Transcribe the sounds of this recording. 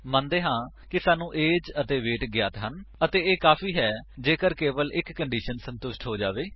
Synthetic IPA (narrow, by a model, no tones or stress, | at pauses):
mãːnd̪eːɦãː | kɪsaːnũːʔeːd͡ʒət̪eːʋeːʈɡɪjaːt̪ɦənət̪eːeːkaːfʰiːɦɛːd͡ʒeːkəɾkeːʋəlɪkːəɳɖiːʃənsə̃nt̪ʊʃʈɦoːd͡ʒaːʋeː